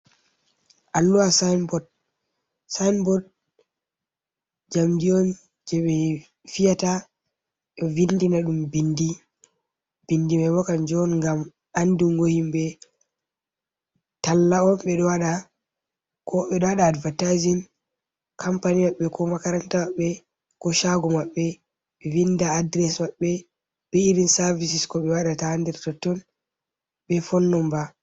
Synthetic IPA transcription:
ʔalːuwasanbɔd̚ | sajnbɔd̚ | d͡ʒamdiɔn | d͡ʒɛɓɛ | fijata | ɗɔvindinaɗumbindi | b̥indimɛmɔkand͡ʒɔnŋɡam | andiŋɡohimbɛ | talːaɔmɓɛɗɔwaɗa | kʰɔɓɛɗɔwaɗaːdvatajzim | kʰampanijaɓːɛkʰɔmakaɾantaaɓːɛ | kɔʃaɡɔmaɓːɛ | ɓɛvindaːdɾɛsmaɓːɛ | ɓɛiɾinsaɾvisiskɔɓɛwaɗataandɛɾtɔtːɔn | ɓɛfɔnːɔmba

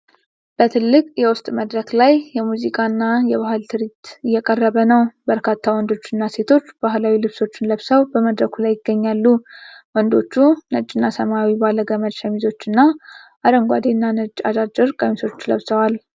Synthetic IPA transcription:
b̥ət̪ʰɨlːɨkʼjɛwʊst̪ʼməd̪ɾəklajjɛmuzikʼanːajɛβahɨlt̪ʰɨɾit̪ɨjːɛkʼərːəβənəwbəɾkʰat̪ʰːawɔnd̪o̞t͡ʃːɨnːase̞t̪ʰo̞t͡ʃːb̥aɦlawilɨβso̞t͡ʃːɪnləβsəwbəməd̪ɾəkʰulajːɪɡːəɲːalːuwɔnd̪o̞̰t͡ʃːunət͡ʃʼːɪnːasəmawibaləɡəməd̪ʃəmizo̞t͡ʃːɨnːaʔaɾəŋɡʷad̪enːanət͡ʃʼːad͡ʒad͡ʒɪɾkʼəmiso̞t͡ʃːlə̰βsəwal

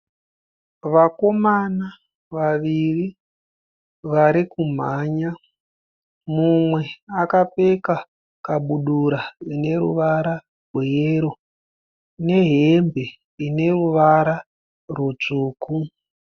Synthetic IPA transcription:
ʋako̞mana | ʋaʋiri | ʋaɾikum̤aːɲa | mumwe̞akape̞ka | kaɓuɗuɾaine̞ɾṵʋaɾa | rwejeɾo̞ | ne̞ɦembʱe̞ | ine̞ruʋaɾa | rwut͡ʂuːku

